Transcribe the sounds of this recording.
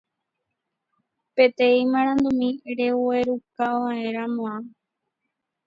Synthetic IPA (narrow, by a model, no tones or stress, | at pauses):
pe̞t̪eĩmãɾ̃ãnd̪umĩɾe̞ue̞ɾukaʋaẽɾ̃amõã